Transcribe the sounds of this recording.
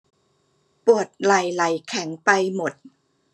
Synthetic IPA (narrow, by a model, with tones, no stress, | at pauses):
pu˨˩ət̪̚la˨˩˦jla˩˦jkʰɛ˩˦ŋpa˧jmo˨˩t̪̚